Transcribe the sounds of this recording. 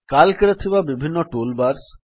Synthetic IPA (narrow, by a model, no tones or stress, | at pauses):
kalkeɾet̪ʰibabibʱinːɔʈolbaɾs